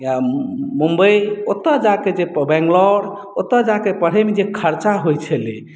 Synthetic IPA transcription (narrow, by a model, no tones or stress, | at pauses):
amumbəiot̪ːəd͡ʒaked͡ʒebɛ̃ŋɡlɔɽ | ot̪ːəd͡ʒakepəɽ̤ɛmed͡ʒekʰəɾt͡ʃaɦojt͡ʃʰəle